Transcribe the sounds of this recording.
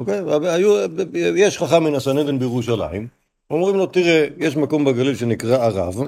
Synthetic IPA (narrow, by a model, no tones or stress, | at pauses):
okejaajujeʃχaχamːinasaned̪enbejeʁuʃala̰im | omʁimlo̞t̪iʁejeʃmako̞mbaɡalilʃenikʁaːʁa̰v